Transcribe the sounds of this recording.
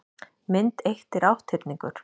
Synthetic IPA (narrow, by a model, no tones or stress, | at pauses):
mɪnt̪ejht̪ɪɾawht̪ʰɪpniŋkʏɾ̥